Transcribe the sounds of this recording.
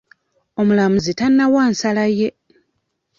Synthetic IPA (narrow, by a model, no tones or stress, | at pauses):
o̞mulamuzitanːawaːnsalaje